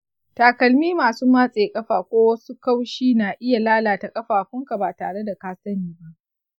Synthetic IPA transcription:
taː˨kɐ˨lmiː˦maː˨suː˦maː˦sʼeː˨kʼɐ˦ɸaː˨kʷoː˦wɐ˦su˦ka˦wʃiː˦naː˨ʔɪ˦ja˨laː˦laː˨ta˨kʼɐ˦ɸaː˨kʷʊ˦ŋka˨baː˨taː˨ɽe˦da˨kaː˦sɐ˦niː˦ba˦ʔ

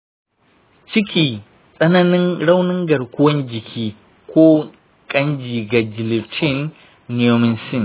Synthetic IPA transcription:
t͡ʃɪ˦kʲiː˨ | sʼɐ˦nɐ˦nɪ˦ŋɽa˦wnɪ˦ŋɡɐ˨ɽkʷʊ˦wɐ˦nd͡ʒɪ˨kʲʰiː˦ | kʷo˦ | kʼɐ˦nd͡ʒiː˨ɡa˨d͡ʒɪ˨li˨tʰi˦˨nː˨ | jo˦mɪ˦nsɪ˦˨n

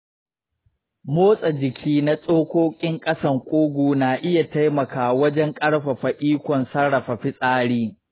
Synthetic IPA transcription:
moː˦sʼa˨d͡ʒɪ˨kʲʰiː˦na˦sʼoː˦kʷoː˦kʲʼɪ˦ŋkʼɐ˦sɐ˨ŋkʷʼuː˦ɡʷuː˨naː˨ʔɪ˦ja˨ta˦jmɐ˨kaː˨wɐ˦d͡ʒɛ˦ŋkʼɐ˦ɽɸa˨ɸɐ˨ʔiː˦kʷɔ˨nsɐ˦ɽɽɐ˨ɸa˨ɸɪ˦sʼaː˦ɽiː˦

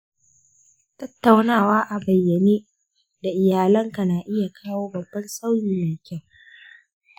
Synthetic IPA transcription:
tɐ˦tːa˨wnaː˦˨waː˦ʔa˨bɐ˨jːɐ˨neː˦ | da˨ʔɪ˨jaː˨lɐ˦ŋka˨naː˨ʔɪ˦ja˨kʰaː˦woː˦bɐ˨bːɐ˦nsa˦wjiː˨ja˨kʲɛ˦˨ŋ

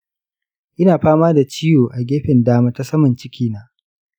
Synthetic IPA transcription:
ʔɪ˦naː˨ɸaː˦maː˦da˨t͡ʃiː˦joː˨ʔa˨ɡʲeː˦ɸɪ˨ndaː˦maː˦ta˦sɐ˦mɐ˨nt͡ʃɪ˦kʲiː˦naː˦

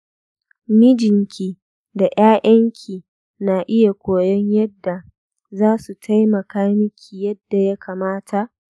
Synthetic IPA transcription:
mɪ˦d͡ʒɪ˨ŋkʲʰiː˨ | da˨j̰aː˦jʔɐ˦ŋkʲʰiː˨ | na˨ʔɪ˦ja˨kʷoː˨jɔ˦ɲjɐ˦dːa˨ | zaː˦su˨tʰa˦jmɐ˨kaː˦mɪ˦kʲʰiː˨jɐ˦dːa˨ja˦kaː˨maː˦tʰa˨ʔ

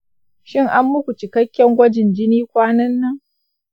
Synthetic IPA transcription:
ʃɪ˦ŋʔa˦mːʊ˦kʷu˨t͡ʃɪ˨kɐ˦kʲːɐ˦ŋɡʷɐ˦d͡ʒɪ˨nd͡ʒɪ˦niː˦kʷaː˦nɐ˦nːɐ˦ŋ

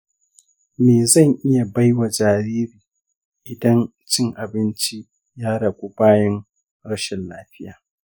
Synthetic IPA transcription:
meː˨zɐ˦˨ŋʔɪ˦ja˨ba˦jwa˨d͡ʒaː˨ɾiː˦ɾiː˨ | ʔɪ˨dɐ˦n | t͡ʃɪ˦ŋʔa˨bɪ˦nt͡ʃi˦ | jaː˦ɽɐ˨ɡʷu˦baː˦jɐ˦ŋ | ɽɐ˦ʃɛ˨nlaː˦ɸɪ˦jaː˨

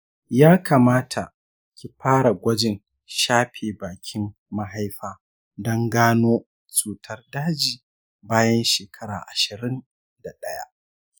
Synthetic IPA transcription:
jaː˦ka˨maː˦tʰa˨ʔ | kʲi˨ɸaː˦ɽa˨ɡʷɐ˦d͡ʒɪ˨n | ʃaː˦ɸeː˨baː˨kʲʰɪ˦mː | a˦ɦa˦jɸaː˦ | dɔ˦ŋɡaː˦noː˦ | t͡ʃʼuː˨tʰɐ˦rdaː˦d͡ʒiː˨ | baː˦jɐ˦nʃeː˨kʰɐ˦ɾa̰ː˨ʔa˨ʃɪ˨ɾɪ˦n | da˨ɗɐ˦ja̰˦

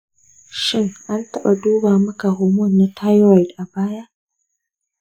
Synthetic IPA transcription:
ʃɪ˦ŋʔa˦ntɐ˦ɓa˨duː˦baː˨mɐ˦ka˨hʊː˨mʊ˦˨nːa˦tʰa˦jwa˨jtʔa˨baː˦ja˦ʔ

